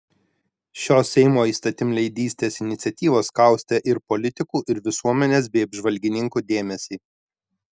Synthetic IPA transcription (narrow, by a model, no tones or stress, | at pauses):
ʃʲoːsʲɛɪmoːiːst̪ɐt̪ʲɪmlʲɛɪd̪ʲiːsʲt̪ʲeːsɪnʲɪt̪sʲɛt̪ʲiːʋoːskɐˑʊsʲt̪ʲɛʔɪɾpɔlʲɪt̪ʲɪkuːʔɪɾʋʲɪsuɔmʲɛnʲeːs̬bʲɛɪɐbʲʒʋɐlʲɡʲɪnʲɪŋkuːd̪ʲeːmʲɛsʲiː